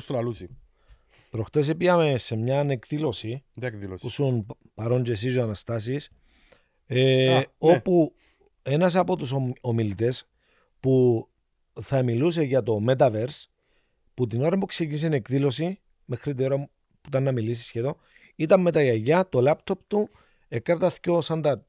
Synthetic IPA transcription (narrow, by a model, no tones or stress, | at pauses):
st̪olɐlut͡si | pɾo̞xt̪es̬epiɐmese̞mɲɐne̞kðilo̞sipusun | pɐɾo̞nd͡ʒesizoɐnɐst̪ɐsis | eo̞pu | e̞nɐs̬ɐpo̞t̪usomilit̪e̞s | pu | θɐmiluse̞ʝɐt̪o̞me̞t̪ɐveɾs | put̪ino̞ɾɐpukse̞cinis̬enekðilo̞si | me̞xɾit̪ino̞ɾɐ | puit̪ɐnːɐmilis̬isçeðo̞ | it̪ɐmme̞t̪ɐiɐʝɐt̪o̞lɐpt̪o̞pt̪u | ekːɐɾt̪ɐθcosɐnd̪ɐ